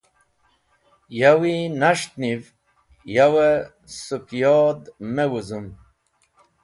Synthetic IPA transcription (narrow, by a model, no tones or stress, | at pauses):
jawinaʂt̪niv | jawe | sukjoːd̪mewuzum